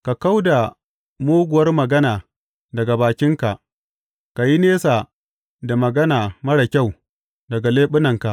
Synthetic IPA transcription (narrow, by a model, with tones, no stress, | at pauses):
ka˨ka˦wda˨ | moː˦ɡʷʊ˨wɐ˦rmɐ˨ɡɐ˦naː˨ | dɐ˨ɡa˨baː˨kʲɪ˦ŋka˨ʔ | ka˨ji˦neː˦sa˨ | da˨mɐ˨ɡɐ˦naː˨mɐ˦ɽɐ˨kʲa˦˨w | dɐ˨ɡa˨leː˦ɓʊ˦nɐ˨ŋka˨ʔ